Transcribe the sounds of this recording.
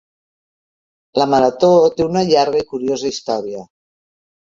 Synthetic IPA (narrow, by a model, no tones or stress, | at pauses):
ləməɾət̪ot̪eunəʎaɾɣəikuɾiozəist̪ɔɾiə